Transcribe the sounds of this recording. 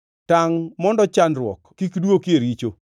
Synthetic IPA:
taŋmɔndɔt͡ʃanrwɔ̰kkːikdwokeɾit͡ʃo̰

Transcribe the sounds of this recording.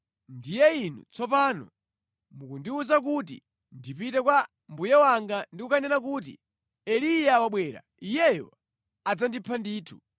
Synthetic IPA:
ndijɛinṵt͡sɔpanɔ̰ | mukundiuzak̬ut̬ḭ | ndipitɛkwa | mbujɛwaŋɡandikukʰanɛnakuːt̬ḭ | ɛlijawaɓwɛːɾa̰ | ijɛjɔ̰ | ad͡zandipʰandiːtʰu̥

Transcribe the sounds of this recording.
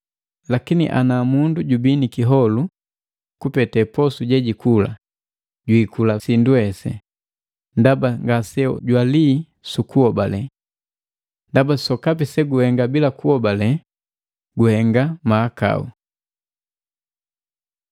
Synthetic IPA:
lakinḭʔa̰namunduɟubinikiɦɔlu | kupɛtɛpɔsuɟɛɟikʰula̰ | ɟwikulasinduhɛsɛ̰ | ndabaŋɡasɛɔ̰ɟwali | sukuɔbalɛ | ndabasɔkapisɛɡuhɛŋɡabilakuɔbalɛ | ɡuhɛŋɡamaːka̰ṵ

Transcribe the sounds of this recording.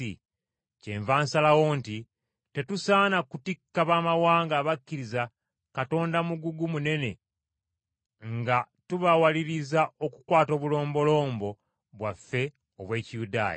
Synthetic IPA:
ḭ | ce̞̰ɱvaːnsalawo̞ːnti | te̞tusaːnakutikːaβaːmawaːŋɡaːβakːiɾiza | kato̞ːndamuɡuɡumune̞ne̞ | ŋɡa | tuβawaliɾizao̞kukwaːto̞ːβulo̞ːmbo̞lo̞ːmbo̞ | βwafːe̞ | oβwe̞ːcijuda̰ːja̰

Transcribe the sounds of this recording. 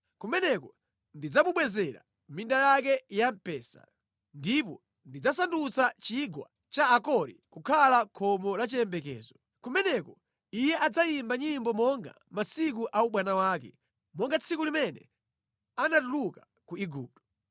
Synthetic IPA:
kumɛnɛkɔ | ndid͡zamuɓwɛzɛɾa̰ | mindajak̬ɛjam̩pɛːsa̰ | ndip̬ɔ | ndid͡zasandut͡sat͡ʃiɡwa | t͡ʃaːkɔɾḭkukʰalakʰɔmɔlat͡ʃiɛmbɛkɛ̰ːzɔ | kumɛnɛkɔ | ijɛʔad͡zajimbaɲimbɔmɔŋɡa̰masik̬uʔauɓwanawaːkɛ̰ | mɔŋɡat͡sʰikulimɛnɛ̰ | anatuluka | kuiɡuːp̚tɔ̥

